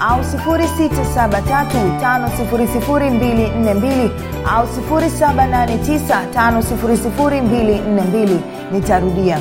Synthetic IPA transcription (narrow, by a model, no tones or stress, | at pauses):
ausifuɾisitasaɓatatutanɔsifuɾisifuɾimbilin̩nɛmbili | ausifuɾisaɓananɛtisatanɔsifuɾisifuɾimbilin̩nɛmbili | nitaɾuɗia